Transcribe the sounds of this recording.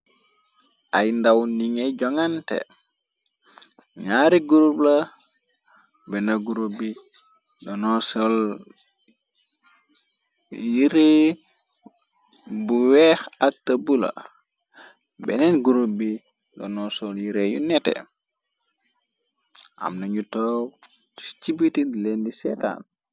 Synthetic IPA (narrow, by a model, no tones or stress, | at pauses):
ʔajndawniŋɛɟɔŋantɛ̰ | ŋaɾiɡuɾubla | bɛnaɡuɾubi | dɔnɔsɔl | jiɾe | buwɛxak̚tɐbulɐ̰ | bɛnɛnɡuɾubi | dɔ̰nɔsɔljiɾejṵnɛtɛ̰ | ʔa̰mnɐɲutɔw | si̥t͡ʃibitinlendisɛta̰ːn